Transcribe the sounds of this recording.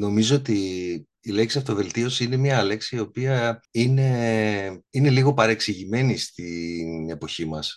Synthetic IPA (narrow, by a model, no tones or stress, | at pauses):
no̞mizo̞ot̪iː | le̞ksiɐfot̪ove̞lt̪io̞siine̞miɐle̞ksiːo̞piɐine̞ | ine̞liɣo̞pɐɾeksiʝime̞nist̪ine̞po̞çimɐs